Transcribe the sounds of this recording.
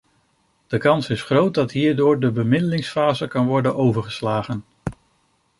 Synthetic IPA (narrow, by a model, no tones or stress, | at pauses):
d̥əkɑnsɪsχrowt̚dɑtɦiːɹdʊːɹdəbəmɪdəlɪŋsfaːzəkɑnʋɔɹdənowvəɹχəslaːχən